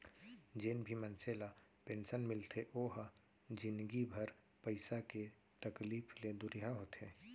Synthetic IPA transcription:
d͡ʒeːnbʱimənselapeːnsənmɪlt̪ʰeʔoɦ | d͡ʒɪnd̪ɡibʱəɾ | pəɪsake | t̪əkliːpʰled̪ʊɾiɦaɦot̪e

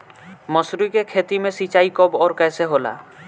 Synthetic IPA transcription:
mɔsɾikekʰet̪imesit͡ʃaikɔbɔːɾkɛːseɦola̰

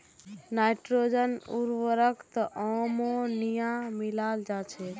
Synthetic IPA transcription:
najʈɾod͡ʒənṵɾwəɾəkt̪əʔəmonijãmilald͡ʒat͡ʃʰɛ

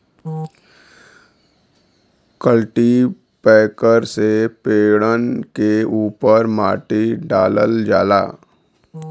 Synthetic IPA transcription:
kəlʈi | pɛːkəɾsepeːɽənkeuːpəɾmaːʈiɖaːləld͡ʒaːla̰ː

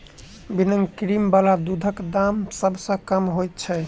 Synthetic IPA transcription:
binəŋɡkɾimbalad̪ud̪ʱəkd̪amsəbʱsə̃kəmɦojt̪t͡ʃʰɛ

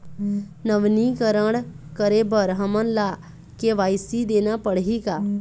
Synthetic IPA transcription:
nəʋnikəɾəɽkəɾebəɾɦəmənla | keʋaːɪjsid̪eːnapəɽɦikaː

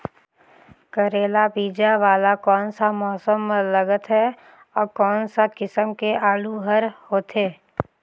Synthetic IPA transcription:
kəɾeːlabiːd͡ʒaʋaːlakɔːnsamɔːsəmːələɡət̪ɦɛ | ɔːɾkɔːnsakɪsəmkeʔaːɽuɦəɾhoːt̪eː

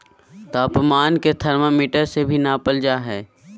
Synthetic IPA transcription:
t̪aːpmaːnket̪ʰəɾməmiːʈəɾsebʱinapəld͡ʒaɦɛː

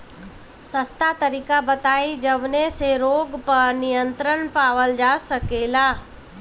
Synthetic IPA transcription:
sɐst̪at̪ɐɾiːkabɐt̪aːid͡ʒɐʋneseɾoːɡpɐɾnijə̃nt̪ɾənpaːʋəld͡ʒaːsɐkeːlaː

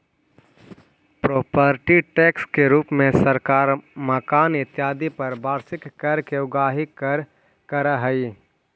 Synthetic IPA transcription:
pɾoːpəɾʈiʈeːkskeɾuːpmẽsəɾkaːɾməkaːnɪt̪jaːd̪ipɐɾbʱaːɾsɪkːəɾkeʊɡaːɦɪəɾ | kəɾaɦəi

